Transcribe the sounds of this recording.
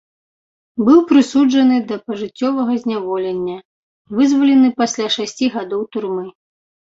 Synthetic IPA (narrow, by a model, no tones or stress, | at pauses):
bɨwpɾɨsud͡ʐɐnɨd̪ɐpɐʐɨt͡sʲːɔvɐɣɐzʲnʲavɔlʲɛnʲːɐ | vɨzvɐlʲɛnɨpasʲlʲaʂasʲt͡sʲiɣad̪ɔwt̪urmɨ